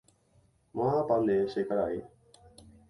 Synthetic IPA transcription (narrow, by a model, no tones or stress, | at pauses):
məɦãːpaːnẽːʃeːkəɽaːɦeː